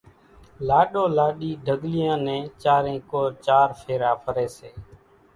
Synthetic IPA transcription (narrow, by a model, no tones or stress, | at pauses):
laːɗoːlaːɗiːɖʱəɡlɪjãːnɛ̃ːt͡ʃaːɾẽːkoːɾt͡ʃaːɾpʰeːɾaːpʰəɾeːseː